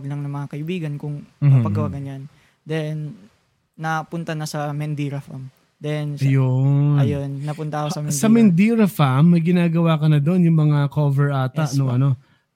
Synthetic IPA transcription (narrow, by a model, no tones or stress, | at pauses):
ɡlɐŋnɐŋmɐŋakɐʔɪbiːɡɐnkʊŋmɐpɐɡɐwaɡɐnjan | d̪ɛnː | ɐpʊnt̪anɐsɐmɛnd̪iːɾɐfam | d̪ɛnɐjonɐjonːɐpʊnt̪ɐkosɐmɛnsɐmɛnd̪iːɾɐfamːɐjɡɪnaːɡɐwaːkɐnɐd̪o̞njʊŋmɐŋakovɛɹʔaːt̪ɐʔnoʔɐno̞